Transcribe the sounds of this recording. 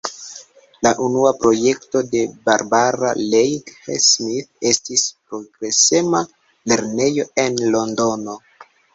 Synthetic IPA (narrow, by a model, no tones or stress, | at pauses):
laʔunuapɾo̞je̞kto̞de̞baɾbaɾa̰lejɡhesmiθe̞stispɾo̞ɡɾe̞sema | le̞ɾne̞jo̞e̞nlo̞ndo̞no̞